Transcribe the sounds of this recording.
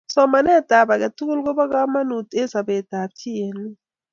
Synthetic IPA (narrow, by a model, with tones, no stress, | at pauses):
sɔ˦ma˨nɛ˦˨d̥ʱa˨ɓa˨k̬a˨tu˦k̬u˦lk̬ɔ˦ɓa˦k̬a˦ma˦nu˨tʼɛ˦za˨ɓɛ˨d̥ʱa˨b̚tʰi˦je˨ni˦